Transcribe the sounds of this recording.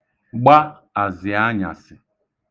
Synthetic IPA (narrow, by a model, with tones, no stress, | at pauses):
ɡ͡ba˦ | a˨zɪ˨a˦ɲa̰˨sɪ˨